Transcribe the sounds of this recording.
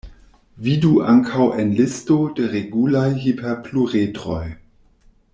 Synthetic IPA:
viduʔaŋkʰawʔenlɪstodeʁeɡulajɦipʰeʁpʰluʁetʁo̰j

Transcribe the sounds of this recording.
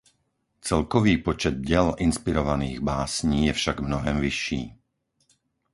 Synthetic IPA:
t͡sɛlkɔʋiːpɔt͡ʃɛd̪̚ɟɪɛlinspiɾɔʋaniːɣbaːsɲiːjɛfʃaɡmnɔɦɛmʋiʃːiː

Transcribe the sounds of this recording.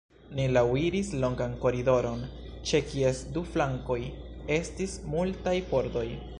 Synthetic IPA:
nilawiɾislo̞ŋɡanko̞ɾido̞ɾo̞n | t͡ʃe̞kiesduflaŋko̞j | e̞stismultajpo̞ɾdo̞j

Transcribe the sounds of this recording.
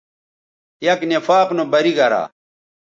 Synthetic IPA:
jɐknefaːqnobɐɾiɡɐɾa̰ː

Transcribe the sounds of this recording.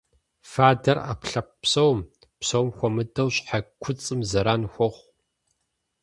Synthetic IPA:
faːdɐra̰ːpɬɐp̚psɐwm | psɐwmxʷɔmɨdɐwɕʼħakʷʰʊt͡sʼɨmzɐɾaːnxʷɔʁʷ

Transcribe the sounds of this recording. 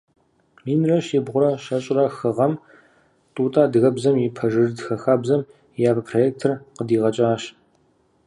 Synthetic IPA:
miːnrɐɕibʁʷʊɾɐɕɐɕʼrɐxɨʁɐm | tʼuːtʼaːdɨɣɐbzɐmjɪpʰɐʒɨrdxɐxaːbzɐm | jaːbpʰrojeːk̚tʰɨrqədiːʁɐt͡ʃʼaːɕ

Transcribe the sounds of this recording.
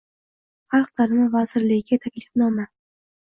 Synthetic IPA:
χɑlˠqd̪ʰalɪmavazɪɾlɪɡʲɪɡʲat̪ʰakʲlɪfnɒma

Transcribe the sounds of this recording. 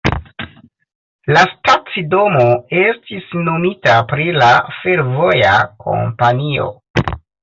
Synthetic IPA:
lastat͡sido̞moe̞stisno̞mitapɾilafe̞ɾvo̞jakʰo̞̰mpanio̞̰

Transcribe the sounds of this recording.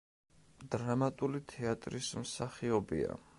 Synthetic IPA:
d̪̥ɾamat̪ʼulit̪ʰɛat̪ʼɾismsaχiɔbḭa̰

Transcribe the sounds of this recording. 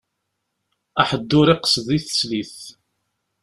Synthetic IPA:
aħəd̪ːʊɾɪqə̥sðˤiθə̥sliθ

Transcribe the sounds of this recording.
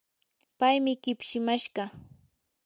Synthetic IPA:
pajmɪɢɪpʃɪmaʃɢɑ

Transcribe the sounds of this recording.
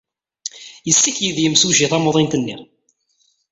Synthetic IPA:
jəsːikjiðjəmsuʒiθæmoðˤint̪nːi

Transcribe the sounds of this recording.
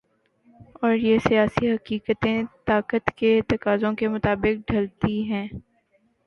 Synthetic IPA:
ɔːɾjesijaːsiɦɐkiːkət̪ẽt̪aːkət̪ket̪ɐkaːzõkemʊt̪aːbɪk̚ɖʱɐlt̪iɦɛ̃ː

